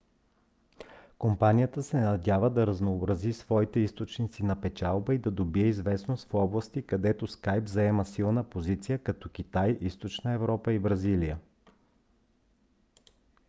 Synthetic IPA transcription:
kompanijət̪əsɛnɐd̪ʲavəd̪ɐɾɐznoːbɾɐzisvɔit̪ɛist̪ot͡ʃnit̪sinɐpɛt͡ʃalˠbəid̪ɐd̪obiɛizvɛsnost̪fɔblˠəst̪ikɐd̪ɛt̪oskajbzɐɛməsilˠnəpozit̪sijəkɐt̪ɔk̟ʲit̪ajʔist̪ot͡ʃnəɛvɾɔpəibɾɐzilijə

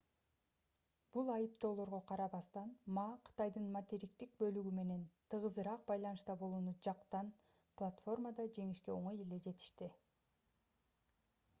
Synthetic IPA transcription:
b̥ulˠɑjɯpt̪o̞ːlˠo̞ɾʁo̞qʰɑɾɑβɑst̪ɑnmɑqʰɯ̥t̪ɑjd̪ɯnmɐt̪eɾʲikt̪ik̚bø̞lyɡyme̞ne̞nt̪ʰɯʁɯzɯɾɑq̚bɑjlˠɑnɯʃt̪ɑbo̞lˠuːnud͡ʒɑqt̪ɑn | plˠat̪fo̞rmad̪ɑd͡ʒe̞ŋiʃke̞o̞ɴoje̞le̞d͡ʒe̞t̪i̥ʃt̪i

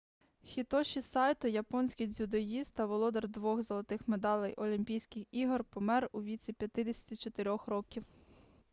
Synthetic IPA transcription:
xʲit̪ɔʃisɑjt̪ʊjɐpɔnʲsʲkʲijzʲud̪ɔjist̪ɐʋɔlˠɔd̪ɐrd̪ʋɔxzɐlˠɐt̪ɪxmed̪ɑlʲˠɛjʔɔlʲimʲpʲijsʲkɪxiɦɔrpɔmɛruʋʲit͡sʲipʲjɐt̪ɪd̪esʲɐ̥t̪ʲit͡ʃɔt̪eɾʲɔxɾɔkʲiw

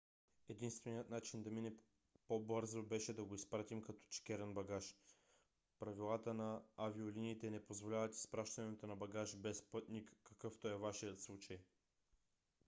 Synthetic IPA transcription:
ɛd̪inst̪vɛniət̪nat͡ʃind̪ɐminɛ | pobɤɾzobɛʃɛd̪ɐɡoispɾat̪imkɐt̪ɔ̥t͡ʃi̥kʲɛɾɛnbɐɡaʃ | pɾɐvilˠat̪ənɐavioliniːt̪ɛnɛpozvolʲavɐt̪i̥spɾaʃt̪ɐnɛt̪onɐbɐɡaʃbɛspɤt̪nikːɐkɤft̪ɔɛvaʃijət̪slˠut͡ʃɐj

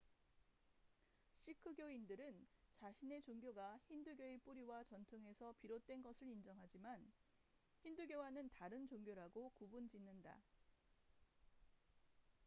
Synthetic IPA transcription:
ɕʰikʰɯɡjoindɯɾɯnt͡ɕaɕʰine̞t͡ɕoŋɡjoɡaçinduɡjoep͈uɾiwat͡ɕʌntʰoŋɦe̞sʰʌpiɾot̚t͈we̞nɡʌsʰɯɾind͡ʑʌŋɦad͡ʑiman | çinduɡjowanɯntaɾɯnt͡ɕoŋɡjoɾaɡokubund͡ʑinːɯnda̰

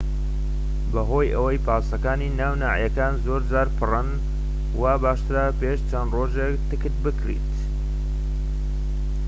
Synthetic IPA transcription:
bɐɦo̞ːjʔɐwəjpaːst̪ɐkaːniːnaːwna̰ːjɐkaːnzoːɾd͡zaːɾpʰɨrɨn | waːbaːʃt̪ɨɾaːpeːʃt͡ʃʰɐnroːʒekt̪ɨkɨt̪bɨkɾḭt̪

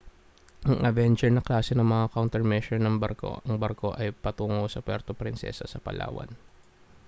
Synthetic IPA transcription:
ʔɐŋʔɐvɛnt͡ʃɛɹnɐklaːsɛnɐŋmɐŋakawnt̪ɛɹmɛʃɛɹnɐŋbɐɾko̰ʔɐŋbɐɾko̞ʔɐjpɐt̪uːŋowsɐkwɛ̰ɾt̪opɾɪnsɛ̰sɐsɐpɐ̰lʔa̰ːwɐ̰n

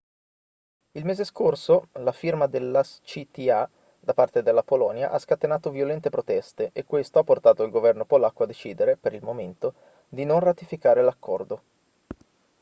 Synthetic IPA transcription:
ilmeːzeskorsolafirmad̪elːat͡ʃit̪ia | d̪apart̪ed̪elːapolɔːnja̰ʔaskat̪enaːt̪ovjolɛnt̪epɾot̪ɛst̪eʔekːwest̪oapːort̪aːt̪oilɡovɛrnopolakːoad̪ːet͡ʃiːd̪eɾepeɾilmoment̪o | d̪inonrat̪ifikaːɾelakʰːɔrd̪o

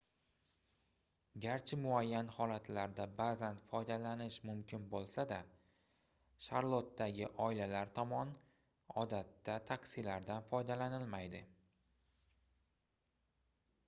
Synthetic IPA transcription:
ɡʲaɾt͡ʃʰɪmʊajːanhɒlat̪ʰlaɾd̪abazant̪fɒjd̪alanɪʃmʊmkʲʰɪnbolˠsad̪a | ʃaɾlˠot̪ːaɡʲɪʔɒɪlalaɾt̪ʰɒmɒn | ɒ̰d̪at̪ːat̪ʰakʲsilaɾd̪anfɒjd̪alanɪlmajd̪ɪ

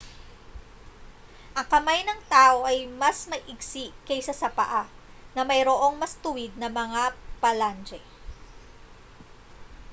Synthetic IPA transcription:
ʔɐŋkɐmajnɐŋt̪aːʔo̞ʔɐjmɐsmɐʔʔɪɡsiʔkɐjsɐsɐpɐ̰ʔanɐmɐjɾoʔo̞ŋmɐst̪ʊwɪd̪̚nɐmɐŋapɐland͡ʒɛ

